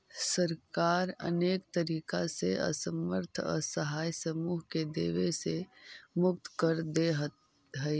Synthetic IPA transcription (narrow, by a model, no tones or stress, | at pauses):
səɾkaːɾə̰neːkt̪əɾiːkaseʔə̰səməɾt̪ʰɔ̰ɾsəɦaːjsəmuːɦked̪ḛːʋesemʊk̚t̪kəɾd̪eɦt̪ | ɦəj